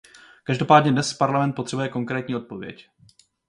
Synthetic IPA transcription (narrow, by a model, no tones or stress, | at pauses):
kaʒdo̞paːdɲɛdnɛspaɾlamɛnt̪po̞t̪r̥ɛbujɛko̞ŋkɾɛːt̪ɲiːʔo̞t̪̚po̞vjɛ̰c